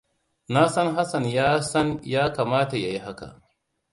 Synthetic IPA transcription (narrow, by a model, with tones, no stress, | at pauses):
na˦sɐ˦ŋɦa˦sɐ˨njaː˦sɐ˦njaː˦kaː˨maː˦ta˨ja˨ji˦ɦa˦ka̰˨ʔ